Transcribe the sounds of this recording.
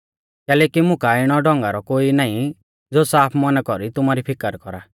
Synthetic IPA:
kɛːlɛːkimʊ̃kaɪɽ̃ɔɖɔ̃ŋɡaɾɔkoːinaːĩ | d͡zoːsaːpʰmɔnkɔɾit̪ʊmaɾipʰɪkəɾkɔɾa

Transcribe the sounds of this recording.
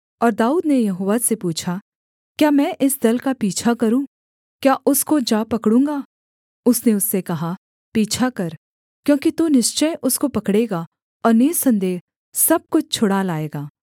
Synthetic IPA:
ɔːɾd̪aːuːd̪nejɐɦoːʋasepuːt͡ʃʰa | kjaːmɛ̃ːʔɪsd̪ɐlkapiːt͡ʃʰakɐɾũː | kjaːʔʊskod͡ʒaːpɐkɽũːŋɡaː | ʊsneʊsːekɐɦa | piːt͡ʃʰakɐɾ | kjõːkit̪onɪʃt͡ʃəjʔʊskopɐkɽeːɡa | ɔːɾneːsɐ̃nd̪eː | sɐb̚kʊt͡ʃʰt͡ʃʰʊɽalaːeːɡaː

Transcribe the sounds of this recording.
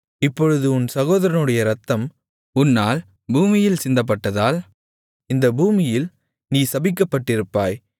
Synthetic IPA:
ɪpːɔɻɯðɯʊnsɐɣoːðɐɾɐnɯɽɐjɐɾɐt̪ːɐm | ʊnːaːl | buːmɪjɪlsɪnd̪ɐp̬ːɐʈːɐðaːl | ɪnd̪ɐbuːmɪjɪl | niːsɐbɪkːɐpːɐʈːɪɾɯpːaːj

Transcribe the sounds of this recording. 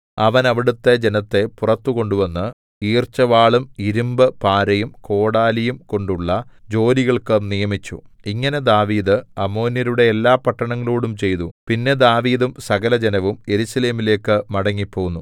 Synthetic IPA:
ɐʋɐnɐʋiɽut̪ːe̞d͡ʑe̞nɐt̪ːe̞purɐt̪ːuko̞ɳɖuʋɐnːɨ | iːrt͡ɕːɐʋaːɭumiɾumbɨpaːɾɐjumko̞ːɽaːlijumko̞ɳɖuɭːɐd͡ʑo̞ːliɣɐɭkɨnijɐmit͡ɕːṵiŋːɐne̞d̪aːʋiːd̪ɨɐmːo̞ːnjɐɾuɽe̞ːlːaːpɐʈːɐɳɐŋːɐɭoːɽumt͡ɕe̞jt̪upinːe̞d̪aːʋiːðumsɐɣɐlɐd͡ʑenɐʋume̞ɾusɐle̞ːmile̞ːkːɨmɐɽɐŋːipːo̞ːɣunːu

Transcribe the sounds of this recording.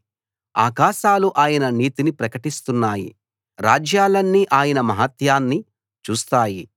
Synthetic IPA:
a̰ːkaːʃaːluʔaːjɐnɐniːt̪inipɾɐkɐʈist̪unːaːjḭ | ɾaːd͡ʒjaːlɐnːiʔaːjɐnɐmɐɦɐt̪jaːnːi | t͡ʃuːst̪aːji

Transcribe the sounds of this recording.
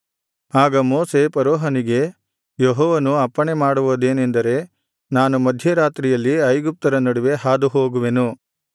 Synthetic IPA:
aːɡɐmoːse̞pɐɾɔːɦɐniɡe̞ | jeɦɔːʋɐnuɐpːɐɳemaːɽuʋod̪e̞ːnend̪ɐɾe̞ | naːnumɐd̪ʱjɐɾaːt̪ɾijɐlːiɐjɡup̚t̪ɐɾɐnɐɽuʋe̞ɦaːd̪uɦoːɡuʋe̞nu

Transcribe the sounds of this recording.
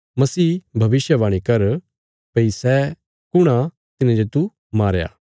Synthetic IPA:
mɐsiːbʱɐʋɪʃjəʋaːɽ̃ikɐɾ | pɐisɛː | kʊɽ̃a | t̪ɪnãd͡ʒeːt̪u | maːɾja̰ː

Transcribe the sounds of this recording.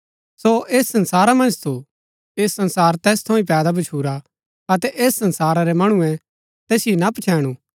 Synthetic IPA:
soeːsːɐ̃nsaːɾamɐ̃nd͡ʒt̪ʰo | eːsːɐ̃nsaːɾt̪ɛːst̪ʰɐʊ̃ĩpɛːd̪abɐt͡ʃʰuːɾa | ɐt̪ɛʔeːsːɐ̃nsaːɾaɾɛmɐɽ̃ũɛ̃ | t̪ɛːsɪenapɐt͡ʃʰɛːɽ̃u

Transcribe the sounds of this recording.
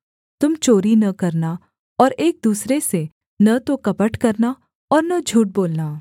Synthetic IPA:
t̪ʊmt͡ʃoːɾinɐkɐɾna | ɔːɾeːk̚d̪uːsɾese | nɐt̪okɐpəʈkɐɾna | ɔːɾnɐd͡ʒʱuːʈ̚boːlnaː

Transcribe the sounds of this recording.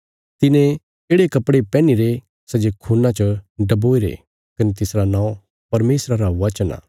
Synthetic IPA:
t̪ɪnẽ | eːɽekɐpɽepɛ̃ːniɾe | sɛd͡ʒekʰuːnãt͡ʃɐɖɐboːiɾḛ | kɐnet̪ɪsɾanãːũ | pɐɾmeːsɾaɾaʋɐt͡ʃəna̰ː

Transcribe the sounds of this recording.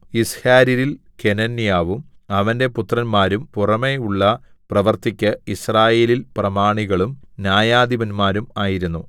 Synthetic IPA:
ishaːɾiɾil | kenɐnːjaːʋum | ɐʋɐnde̞put̪rɐnmaːɾumpurɐme̞uɭːɐ | prɐʋɐrt̪ikʲːɨisraːje̞ːlilprɐmaːɳiɣɐɭumnjaːjaːd̪iʋɐnmaːɾumaːjiɾunːu

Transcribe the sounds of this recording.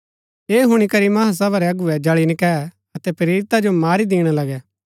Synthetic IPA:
eːɦʊɽ̃ikɐɾimɐɦas̬ɐbaɾɛɐɡʊɛd͡ʒɐɭinɪkɛ | ɐt̪ɛpɾeːɾɪt̪ad͡ʒomaːɾid̪iːɽ̃alɐɡɛː

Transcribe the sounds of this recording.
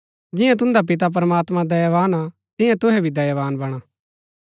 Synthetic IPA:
d͡ʒɪ̃jãt̪ʊ̃nd̪ap̬ɪt̪̬ap̬ɐɾɐmaːt̪mãd̪ɐjəʋaːna | t̪ɪ̃jãt̪ʊɦɛbʱid̪ɐjʋaːnbɐɽ̃a

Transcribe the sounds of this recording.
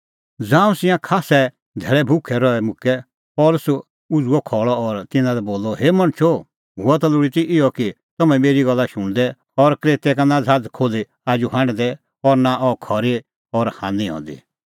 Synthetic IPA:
d͡zãːũsɪ̃jãkʰaːsɛ | d̪ʱɛːɭɛbʱʊkʰɛɾɔɛmʊkɛ | pɔːlʊs | ʊd͡zuɔkʰɔːɭɔɔɾt̪ɪnãlɛboːlːɔɦeːmɐñt͡ʃʰo | ɦʊat̪ɐlʊɽit̪iʔɪjɔki | t̪ɐmɛ̃meːɾiɡɐlːaʃʊɽ̃d̪ɛ | ɔɾkɾeːt̪ɛkanad͡zʱaːd͡zkʰoːle | aːd͡ʒuɦãɽ̃d̪ɛ | ɔɾnaʔɔkʰɔɾe | ɔɾhã̰ːnd̪iɦɔ̰̃ːnd̪ḭ

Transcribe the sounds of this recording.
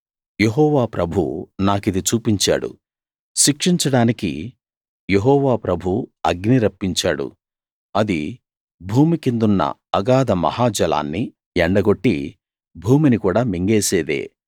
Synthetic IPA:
je̞ɦɔːʋaːpɾʔɐbʱunaːkid̪it͡ʃuːpiɲt͡ʃa̰ːɽṵ | ʃikʂiɲt͡ʃɐɽaːnikḭ | jeɦɔːʋaːpɾɐbʱuɐɡniɾɐpːiɲt͡ʃaːɽṵ | ɐd̪i | bʱuːmikind̪unːɐ̰ɐɡaːd̪ɐmɐ̰haːd͡ʒɐla̰ːnːi | ɛɳɖɐɡo̞ʈːḭ | bʱuːminikuːɽaːmiŋɡeːse̞ːd̪ḛː

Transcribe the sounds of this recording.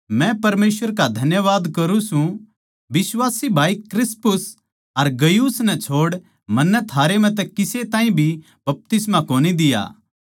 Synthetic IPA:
mɛ̃pɐɾmeːsəɾkad̪ʱɐnjəʋaːd̪kɐɾũsũ | ʋɪswaːsibʱaːikɾɪspʊs | ɐɾɡɐjuːsnɛt͡ʃʰoːɽ | mɐnːɛt̪ʰaːɾem̤ɛ̃t̪̬ɛkɪset̪ãːĩbʱi | bɐp̚t̪ɪsmakoːnid̪ɪja̰ː

